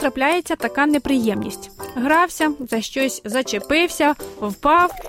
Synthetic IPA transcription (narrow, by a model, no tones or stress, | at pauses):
t̪ɾɐplʲajet͡sʲːɐt̪ɐkɑnepɾɪjɛmnʲḭsʲtʲɦɾɑwsʲɐzɐʃt͡ʃɔsʲzɐt͡ʃepɪwsʲɐwpɑw